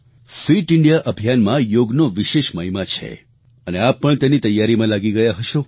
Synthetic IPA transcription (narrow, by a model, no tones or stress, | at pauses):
fiʈɪɳɖijaʔəbʱjanmãjoɡnoʋiʃeʃməɦimat͡ʃʰḛ | əneapːəɳt̪enit̪əjːaɾimãlaɡiɡəjaɦəʃõ